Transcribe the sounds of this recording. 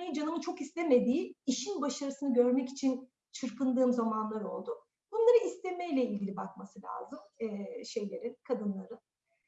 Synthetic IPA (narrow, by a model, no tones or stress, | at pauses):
ejind͡ʒanɯmɯnt͡ʃʰo̞kist̪ʰeme̞d̪iːiʃinbaʃaɾɯsɯnɯɟøɾmɛci̥t͡ʃʰin | t͡ʃʰɯɾpɯnd̪ɯːmzamanlˠaɾo̞̰lˠd̪ʊ | bunlˠaɾɯist̪ʰemɛjlʲɛilʲɟilʲibak̚masɯlʲa̰ːzɯmɛːʃe̞jlʲe̞ɾinkʰad̪ɯnlˠaɾɯn